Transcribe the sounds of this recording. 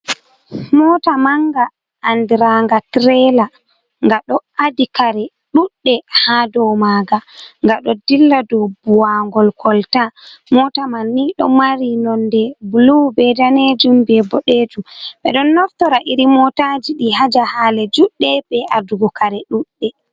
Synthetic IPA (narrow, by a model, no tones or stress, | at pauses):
mɔtamaŋɡa | ʔːndiɾaŋɡatɾɛla | ŋɡaɗɔʔadikaɾɛ | ɗuɗːɛhadɔwmaɡaŋɡaɗɔdilːadɔwbuwaŋɡɔlkʰɔltamɔtamanːiɗɔmaɾinɔndɛbulubɛdaned͡ʒumbɛbɔɗeːd͡ʒumɓɛ̰ɗɔnːɔftɔɾaʔiɾimɔtad͡ʒiɗihad͡ʒahaːlɛd͡ʒuɗːɛbɛʔaduɡɔkaɾɛɗuɗːɛ